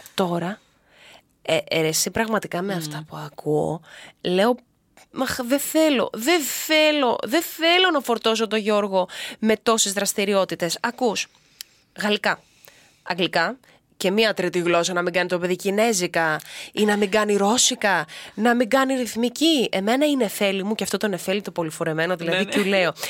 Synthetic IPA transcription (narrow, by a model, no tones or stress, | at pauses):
t̪o̞ɾɐ | eʔeɾesipɾɐɣmɐt̪ikɐme̞ɐft̪ɐpuɐkuo̰le̞o̞ | mɐxðe̞θe̞lo̞̰ðe̞θe̞lo̞ðe̞θe̞lo̞nɐfo̞ɾt̪o̞s̬o̞t̪o̞ʝo̞ɾɣo̞me̞t̪o̞sezðɾɐst̪iɾio̞t̪it̪e̞sɐkus | ɣɐlikɐ | ɐŋɡlikɐ | ce̞miɐt̪ɾit̪iɣlo̞sɐnɐmiɡɐnit̪o̞pe̞ðicine̞zikɐinɐmiɡɐniɾo̞sikɐnɐmiɡɐniɾiθmicie̞me̞nɐine̞θe̞limuceɐft̪ot̪one̞θe̞lit̪o̞po̞lifo̞ɾeme̞no̞ðilɐðicule̞o